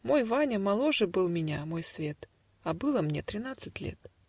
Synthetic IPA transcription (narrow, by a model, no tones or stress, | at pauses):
mo̞jvanʲəmɐlˠoʐɨbɨlˠmʲɪnʲamojsvʲe̞t̪ | ɐbɨlˠəmnʲḛt̪ɾʲɪnat̪sɨtʲlʲḛt̪̚